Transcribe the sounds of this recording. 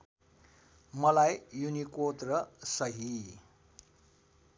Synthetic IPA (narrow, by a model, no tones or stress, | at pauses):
mʌlajjunikot̪rʌsʌɦi